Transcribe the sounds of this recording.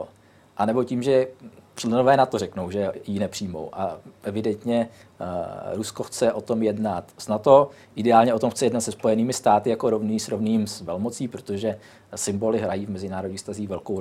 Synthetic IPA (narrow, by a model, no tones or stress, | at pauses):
ʔanɛbo̞ciːmʒɛrlɛnovɛːnat̪o̞rɛkno̞wʒɛjinɛpr̝̥iːmo̞̰wʔaʔɛvɪdɛnt̪ɲɛ | ɾusko̞xt͡sɛʔo̞t̪o̞mjɛdnat̪snat̪o̞ | ʔɪdɛaːlɲɛʔo̞t̪omxt͡sɛjɛdnat̪sɛspo̞jɛniːmɪst̪aːt̪ɪjako̞ɾovniːsɾovniːmsvɛlmo̞t͡siːpɾot̪o̞ʒɛ | sɪmbo̞lɪɦɾajiːvmɛzɪnaːɾodɲiːxfst̪aziːxvɛlkow